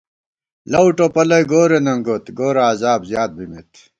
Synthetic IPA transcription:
lɐwʈopɐlɐjɡoːɾenɐŋɡot̪ɡoːɾaːzaːbzjaːt̪̚bimit̪

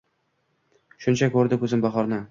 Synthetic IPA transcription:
ʃʊnt͡ʃʰakʰɵɾd̪ɪkʰɵzɪmbaχɒɾnɪ

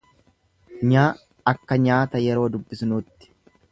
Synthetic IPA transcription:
ɲaː | ɐkːɐɲaːt̪ɐjɛɾo̞ːd̪ʊbːɪsnuːt̪ːɪ̥

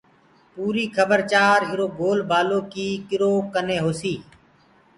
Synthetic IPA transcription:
puːɾiːkʰəbəɾt͡ʃaːɾɪɾoːɡoːlbaːloːkiːkɪɾoːkəneːɦoːsiː

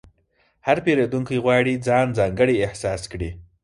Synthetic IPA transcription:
haɾpeɾed̪uŋkijɣwɑɽid͡zɑnd͡zɑŋɡəɽiɪhsɑskɽi

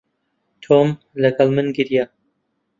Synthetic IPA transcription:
t̪ʰoːm | lɐɡɐlˠmɨnɡɨɾja

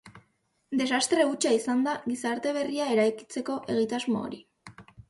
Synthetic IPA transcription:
d̪e̞sast̪ɾe̞ut͡ʃaisand̪aɣisaɾt̪e̞β̞e̞riae̞ɾajki̥t͡se̞ko̞ʔe̞ɣ̞it̪azmoo̰ɾi

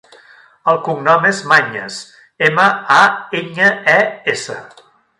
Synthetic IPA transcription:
əlˠkuŋnɔmezmaɲə̰s | eməaeɲəɛesə

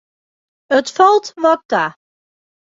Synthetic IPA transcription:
ətfɔlˠtmɔk̚ta

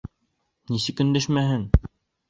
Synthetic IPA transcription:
nisɘkɵ̆nd̪æʃmæɦɘŋ

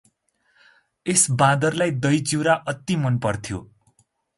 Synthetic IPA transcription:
esbãd̪ʌrlajd̪ʌjd͡ziwɾaʔʌt̪ːimʌnpʌrt̪ʰjo̰

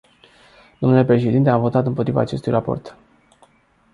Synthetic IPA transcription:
d̪̥o̞mnule̞pɾe̞ʃe̞d̪int̪e̞avo̞t̪at̪ɨmpot̪ɾiva̰ːt͡ʃe̞st̪ujrʔapo̞̰rt̪

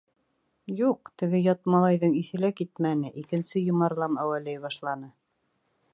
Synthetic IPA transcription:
juq̚t̪ɘ̆ɡɘjɑt̪̚mɑlˠɑjðɤɴiθɘ̆lækit̪mænɘʔikɘ̆nsɘjŏmɑɾlˠɑmæwælæjbɑʃlˠɑnɤ

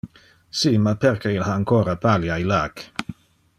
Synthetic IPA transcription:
siːmapʰɛɾkʰəilhaːaŋkʰoːɾapʰaljailaːk

